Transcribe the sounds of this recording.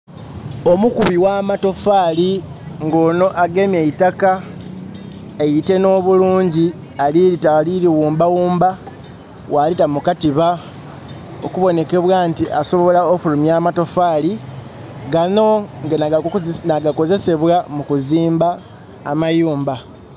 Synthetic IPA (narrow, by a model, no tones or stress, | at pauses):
o̞mukuβiwaːmato̞faːli | ŋɡo̞ːno̞ʔaɡe̞mjeitaka | ejite̞no̞ːβuluːɲɟi | aliɾitaliɾiwuːmbawuːmba | walitamukatiβa | o̰kuβo̞ne̞ke̞βwaːntiʔaso̞βo̞laokulumjaːmato̞faːli | ɡano̞ŋɡenanaɡako̞ze̞se̞βwamukuziːmba̰ː | majuːmba